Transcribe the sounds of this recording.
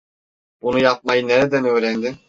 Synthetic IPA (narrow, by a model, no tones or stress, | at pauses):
b̥unujap̚majɯneɾed̪ænø̞ːɾænd̪i